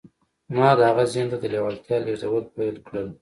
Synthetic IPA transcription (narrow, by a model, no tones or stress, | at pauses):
mɑd̪əaɣazint̪ad̪əlewalt̪jɑlezawəlpajlkɽəl